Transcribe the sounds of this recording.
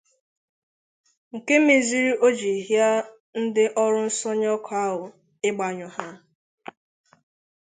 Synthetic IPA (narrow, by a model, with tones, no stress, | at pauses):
ŋ̩˨ke˦mi˨zi˦ɾi˦ʔo˦d͡ʒi˨ɦja˦ | n̩˦dɪ˦ʔɔ˦ɾʊ˦n̩˦sɔ˦ɲɔ˦kʰa˦ɦʊ˨ | ɪ˦ɡ͡ba˨ɲɔ˨ha˦